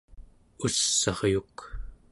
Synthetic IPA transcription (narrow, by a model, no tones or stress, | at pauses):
usːɑʁjuk